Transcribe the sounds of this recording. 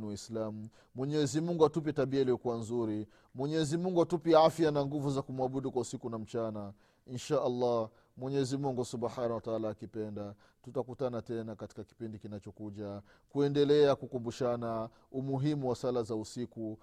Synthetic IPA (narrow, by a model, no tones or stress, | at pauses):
niwaislamu | mwɛɲɛzimuŋɡuatup̬ɛtaɓiailijɔkuwanzuɾi | mwɛɲɛzimuŋɡuatupiafjanaŋɡuvuzakumuaɓuɗukwausikunam̩t͡ʃana | inʃaʔalːah | mwɛɲɛzimuŋɡusuɓħanawataalaːkipɛnda | tutakutanatɛnakati̥kaki̥pindikinat͡ʃɔkuʄa | kuɛndɛlɛakukumbuʃana | umuɦimuwasalazausiku